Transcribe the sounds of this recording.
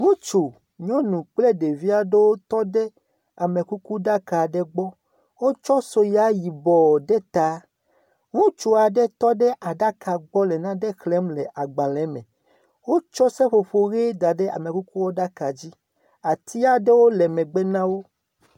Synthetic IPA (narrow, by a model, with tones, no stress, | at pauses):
ŋũ˦t͡ʃu˨ | ɲɔ̃˦nũ˨k͡ple˦ɖe˨vi˦a˦ɖe˦wo˦t̪ɔ˦ɖɛ˦ | a˨mẽ˨ku˦ku˦ɖa˦ka˨ɖɛ˦ɡ͡bɔ˦ | wo˦t͡ʃɔ˦so˨ja˨˦ji˨bɔ˨ɖɛ˦t̪a˨˦ | ŋũ˦t͡ʃu˨a˨ɖɛ˦t̪ɔ˦ɖɛ˦ʔa˨ɖa˦kʰa˨ɡ͡bɔ˦lɛ˨nã˦ɖɛ˦xlɛ˦mlɛ˨ʔa˨ɡ͡bã˨lɛ˨˦mɛ̰̃˨ | wo˦t͡ʃɔ˦sɛ˦ɸo˨ɸo˨ɣe˦da˨ɖɛ˦a̰˨mẽ˨ku˦ku˦wo˦ɖa˦ka˨d͡ʑi˦ | a˨t̪ʰi˦a˦ɖe˦wo˦lɛ˨mɛ̃˨ɡ͡bɛ˦nã˦wo˦